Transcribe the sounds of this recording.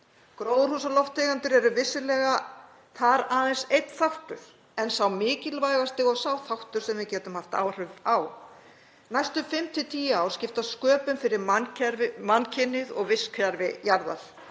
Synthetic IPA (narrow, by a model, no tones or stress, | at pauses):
kɾowðʏr̥usalɔft̪ʰejɣant̪ʏɾɛɾʏvɪsːɪlɛɣa | θaɾaːðɛnsejt̪θawht̪ʏɾ̥ | ɛnsawmɪːcɪlvaːjɣast̪ɪɣɔɣsawθawht̪ʏɾ̥sɛmvɪðcɛːt̪ʏmhaft̪a̰ːwr̥ʏvaw | najst̪ʏfɪmt̪ʰɪt̪ʰiːaawscɪft̪askœːpʏmfɪɾɪɾmancʰɛɾɪmancʰɪnːɪðɔɣvɪskʰvjaɾvɪjaɾða̰ɾ̥